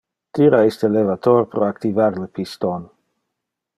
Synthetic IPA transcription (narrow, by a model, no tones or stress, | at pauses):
t̪iɾaist̪əlevat̪orpɾoakt̪ivarləpist̪on